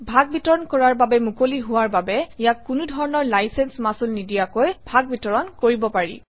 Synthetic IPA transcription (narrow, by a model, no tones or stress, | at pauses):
bʱaɡ̚bitɔɹɔnkɔɹaɹbabɛmukoliɦʊwaɹbabɛijakːunudʱɔɹɔnɔɹlajsɛnsmasulnidijakojbʱaɡ̚bitɔɹɔnkoɹibɔpaɹḭ